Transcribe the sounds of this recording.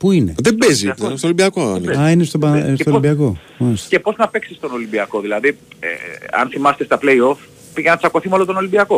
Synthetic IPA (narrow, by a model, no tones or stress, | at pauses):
puine̞̰ðebezipest̪olimbiɐkoaniɐinest̪obɐst̪olmbiɐko̞ | oɾist̪cepo̞znɐpe̞ksist̪o̞no̞limbiɐko̞ðilɐðiḛɐ̰nθimɐse̥t̪est̪ɐple̞io̞f | piʝenɐt͡sɐko̞θimolot̪ono̞limbiɐko̞